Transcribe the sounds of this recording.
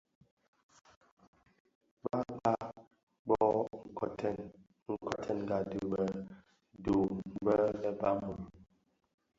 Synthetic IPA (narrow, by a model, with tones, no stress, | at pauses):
ba˦k͡pa˦ | bɔ˦˨tɛ˦n | ŋ̩˨kʰɔ˨tʰɛ˦˨n˨ɡa˨du˨bɛ˨ | do˨m˨bə˦lɛ˦ba˦mu˨l